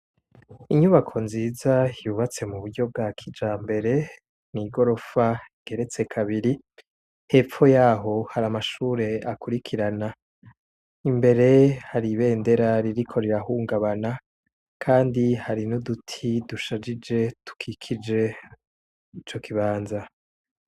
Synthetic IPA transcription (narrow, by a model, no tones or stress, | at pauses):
iɲuβakʰo̞nziːzajjuβat͡se̞muβuɾɟo̞b̚ɡakʰid͡ʒaːmbe̞ɾe̞ | niːɡo̞ɾo̞faiɡ̥e̞ɾe̞t͡se̞kʰaβiɾi | he̞p͡fo̞jaːɦo̞haɾamaʃuːɾe̞akuɾikʰiɾana | imbe̞ɾe̞haɾiβe̞ːnde̞ɾaɾiɾikʰo̞ɾeɾaɦuːŋɡaβana | kʰaːndihaɾinudutʰiduʃad͡ʒid͡ʒe̞tu̥kʰikʰid͡ʒe̞ | it͡ʃo̞kʰiβaːnza